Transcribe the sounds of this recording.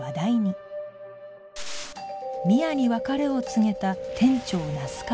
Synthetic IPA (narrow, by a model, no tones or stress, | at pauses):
ad̪aiɲ̟i | mʲiaɲ̟iβakaɾe̞o̞t͡sɨŋe̞t̪at̪ʰẽ̞ɲ̟t͡ɕo̞ːnasɨ̥ka